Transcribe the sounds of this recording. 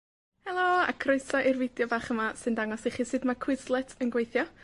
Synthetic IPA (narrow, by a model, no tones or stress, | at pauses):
hɛlˠoa̰kʰrʊɨsɔʔirvɪdjɔbaːχəmasɨndaŋɔsiχiːsɨːdmakʰw̥ɪzlˠɛtʰənɡwejθjɔ